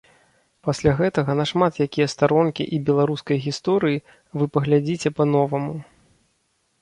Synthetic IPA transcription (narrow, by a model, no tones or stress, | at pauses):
pasʲlʲaɣɛt̪ɐɣɐnɐʂmat̪jakʲijɐst̪aɾɔnkʲḭʔibʲɛlˠaɾuskɐjɣʲist̪ɔɾɨji | vɨpɐɣlʲad͡zʲit͡sʲɛpɐn̪ɔvɐmu